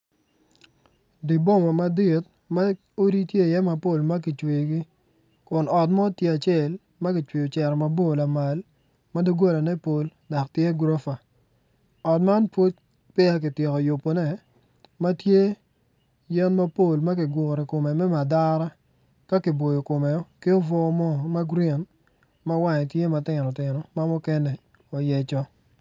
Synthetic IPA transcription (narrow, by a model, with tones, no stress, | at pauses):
di˨bo˦˨mɔ˨ma˨dɪ˨t̚ | ma˦ | o˦ɾi˦tje˦˨jɛ˦ma˨po˦˨lma˦k̬ɪ˨t͡ʃwi˨ɡɪ˦ | kʊ˨nɔ˨t̚mɔ˦tje˦a˨t͡ʃɛ˨l | ma˦kɪ˨t͡ʃwi˨o˨t͡ʃɛ˨ɾɔ˨ma˨bo˦˨la˨ma˨l | ma˦do˦ɡo˦la˨nɛ˦po˨lda˨ktje˦ɡɾo˦fa˨ | ɔ˨tma˦npwo˦t̚ | pɛ˦a˦k̬ɪ˨tje˨kɔ˨jʊ˨pːo˨nɛ˦ | ma˦tje˦ | jɛ˦nma˦po˨lma˦k̬ɪ˨ɡʊ˨ɾɛ˨ko˨mɛ˨mɛ˦ma˨da˦ɾa˦ | ka˦kɪ˨bo˨jo˨ko˨mɛ˨ɔ˦ki˦o˦vɔ˦mɔ˦ma˦ɡɾia˨n | ma˦wa˦ɲ˨tje˦ma˨tɪ˨nɔ˨tɪ˨nɔ˨ma˦mɔ˦kɛ˦nɛ˨ | ɔ˨jɛ˨t͡ʃɔ˦